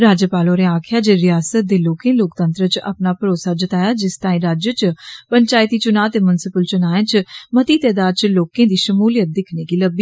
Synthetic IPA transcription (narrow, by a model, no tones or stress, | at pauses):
ɾaːd͡ʒəpaːloːɾeaːkʰjaːd͡ʒeːɾɪjaːsət̪̚d̪eːloːkẽːloːkt̪ə̃nt̪ɾət͡ʃə̰pnaːpəɾoːsaːd͡ʒət̪aːjaːd͡ʒɪst̪aːĩːɾaːd͡ʒjət͡ʃpəɲt͡ʃaːɪt̪iːt͡ʃʊnaːt̪eːmʊnsɪpəlt͡ʃʊnaːẽt͡ʃmət̪iːt̪ɛːd̪aːd̪̚t͡ʃloːkẽːd̪iːʃəmuːlɪjət̪̚d̪ɪkʰneːkiːləbiː